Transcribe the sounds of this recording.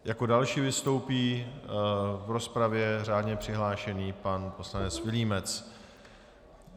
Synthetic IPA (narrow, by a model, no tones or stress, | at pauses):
jako̞dalʃiːvɪst̪o̞wpiː | vɾo̞spɾavjɛr̝aːdɲɛpr̥ɪɦlaːʃɛniːpanpo̞slanɛt͡svɪliːmɛt͡s